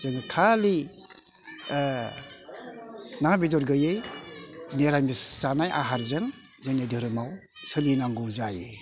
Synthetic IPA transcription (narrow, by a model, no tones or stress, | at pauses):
zenikʰali | nabidɔɾɡɯjej | neɾajmisanajʔa̰ɦaɾzeŋzenidɯɾɯmaw | sɯbinaŋɡuzaje